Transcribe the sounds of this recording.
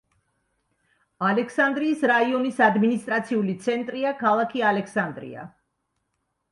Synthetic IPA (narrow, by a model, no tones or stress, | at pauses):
alɛkʰsand̪ɾiːsɾaiɔnisad̪minist̪ʼɾat̪sʰiulit̪sʰɛnt̪ʼɾiakʰalˠakʰialɛksand̪ɾḭa̰